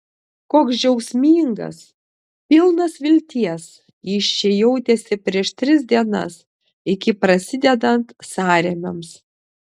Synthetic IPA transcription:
koːksd͡ʒʲɛʊsʲmʲiːŋɡɐ̰s | pʲɪlˠnɐsʋʲɪlʲt̪ʲiɛs | jiːʃʲt͡ʃʲɛjɛʊt̪ʲesʲɪpʲɾʲiɛʃt̪ʲɾʲɪz̬ʲd̪ʲiɛnɐ̰s | ɪkʲɪpɾɐsʲɪd̪ʲɛd̪ɐnt̪sɑːɾʲɛmʲɛms

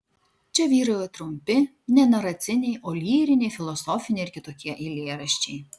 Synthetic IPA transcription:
t͡ʃʲɛʋʲiːɾɐjɛt̪ɾʊmʲpʲɪ | nʲɛnɐɾɐt̪sʲɪnʲɛɪʔoːlʲiːɾʲɪnʲɛɪfʲɪlˠɔsɔfʲɪnʲeɪɾkʲɪt̪oːkʲiɛʔilʲeːɾɐʃʲt͡ʃʲɛɪ

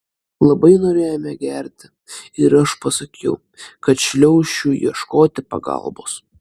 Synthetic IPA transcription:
lˠɐbɐɪnoːɾʲeːjoːmʲɛɡʲæɾʲt̪ʲɪ | ɪɾɐʃpɐsɐkʲʰɛʊ | kɐt̪ʃʲlʲɛʊʃʲuːjḭɛʃkoːt̪ʲɪpɐ̰ɡɐ̰lˠbo̰ːs

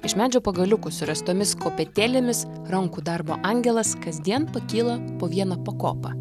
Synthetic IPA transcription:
ɪʃmʲæːd͡ʒʲɛʊpɐɡɐlʲʊkʊsʊɾʲɛst̪oːmʲɪskoːpʲɛt̪ʲæːlʲɪmʲɪs | ɾɐŋkuːd̪ɑɾbo̰ːʔɐˑŋʲɡʲɛlˠɐskɐzʲd̪ʲiɛnpɐkʲiːlˠɐpoːʋʲiɛnɐpɐko̰ːpɐ̰

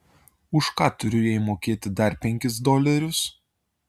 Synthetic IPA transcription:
ʊʃkɑːt̪ʊɾʲʊjɛɪmoːkʲeːt̪ʲɪd̪ɐɾpʲɛŋʲkʲɪsd̪ɔlʲɛɾʲʊs

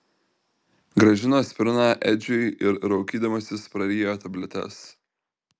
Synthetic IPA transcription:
ɡɾɐʒʲɪnoːsʲpʲɪɾʲnɑːʔɛd͡ʒʲʊɪɪɾɾɐʊkʲiːd̪ɐmɐsʲɪspɾɐɾʲiːjoːt̪ɐbʲlʲɛt̪ʲɛ̰s

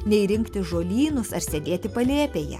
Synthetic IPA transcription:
nʲɛiɾʲɪŋkt̪ʲɪʒoːlʲiːnʊsɐɾsʲed̪ʲeːt̪ʲɪpɐlʲeːpʲeːjɛ̰

